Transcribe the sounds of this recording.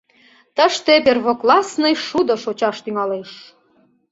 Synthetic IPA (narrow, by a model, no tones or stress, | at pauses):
t̪əʃt̪eperβoklˠɑsnəjʃud̪ɤ̆ʃot͡ɕɑʃt̪yŋɑleʃ